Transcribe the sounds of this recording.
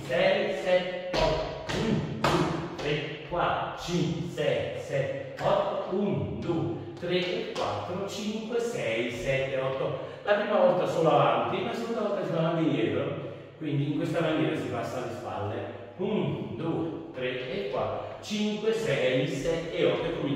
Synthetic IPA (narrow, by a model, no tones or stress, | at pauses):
sɛjsɛt̪ːɔt̪ːound̪ut̪ɾe | kwat̪t͡ʃiŋkwsɛjsɛt̪ː | ɔt̪ːound̪ue | t̪ɾeekːwa̰t̪ːɾot͡ʃiŋkwesɛjsɛt̪ːeɔt̪ːolapɾiːmavɔlt̪asoːloavant̪ilasekund̪avɔlt̪ːasinavant̪ijjɛːɾo | kwind̪iːŋkwest̪amanɛːɾasipasːalːespa̰lːḛ | und̪uet̪ɾeːkːwa̰t̪ːɾot͡ʃiŋkwesɛjsɛt̪ːeɔt̪ːekːomi